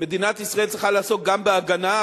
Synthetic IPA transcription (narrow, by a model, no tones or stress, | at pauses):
med̪inat̪isʁeeltt͡sʁiχalaːso̞t̪̚ɡambeaɡana